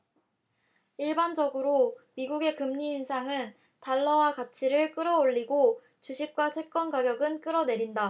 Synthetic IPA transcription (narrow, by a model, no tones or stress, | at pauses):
iɭband͡ʑʌɡɯɾomiɡuɡe̞kɯmɲiːnsʰaŋɯn | taɭːʌwakat͡ɕʰiɾɯɭk͈ɯɾʌoɭːiɡo | t͡ɕuɕʰip̚k͈wat͡ɕʰwe̞k͈ʌnɡaɡjʌɡɯnk͈ɯɾʌne̞ɾinda